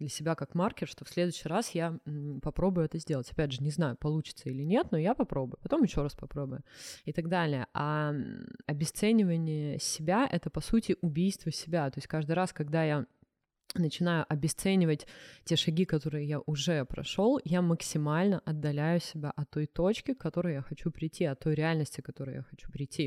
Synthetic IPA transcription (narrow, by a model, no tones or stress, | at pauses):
d̪lʲəsʲɪbʲakakmarkʲɪrʂt̪o̞fsʲlʲe̞d̪ʊɕːɪɾasjapɐpɾo̞bʊjʊɛt̪əzʲdʲe̞lˠətʲɐ̥pʲædʲʐɨnʲɪznajʊpɐlˠut͡ɕɪ̥t̪səilʲɪnʲe̞t̪no̞japɐpɾo̞bʊjʊpɐt̪o̞mjɪɕːo̞ɾaspɐpɾo̞bʊjʊɪt̪ɐɡ̚d̪alʲɪjə̰ʔa | ɐbʲɪst̪sɛnʲɪvənʲɪjəsʲɪbʲaʔɛt̪əpɐsutʲɪʔʊbʲijst̪vəsʲɪbʲat̪o̞ɪsʲtʲkaʐd̪ɨjɾaskɐɡd̪aja | nət͡ɕɪnajʊʔɐbʲɪst̪sɛnʲɪvətʲtʲe̞ʂɐɡʲikɐt̪o̞ɾɨjəjaʔʊʐɛpɾɐ̰ʂo̞lˠjaməksʲɪmalʲnəʔɐd̪ːɐlʲæjʊsʲɪbʲaʔɐt̪ːo̞jt̪o̞t͡ɕkʲɪkːɐt̪o̞ɾɨjjaxɐt͡ɕupɾʲɪjtʲʰːiɐt̪ːo̞jɾʲɪalʲnəsʲtʲɪkɐt̪o̞ɾʊɨja̰xɐt͡ɕu̥pɾʲɪjtʲːi